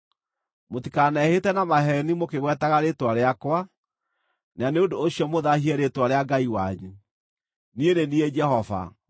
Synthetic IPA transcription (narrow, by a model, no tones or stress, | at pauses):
motikanɛhetɛnamaɦɛnimokeɣwɛtaɣaɾetwaɾeakwa | neaneodoːɕjɔmoðahiɛɾetwaɾeaɡaiwaɲu | nieɾenied͡ʒɛɦɔva̰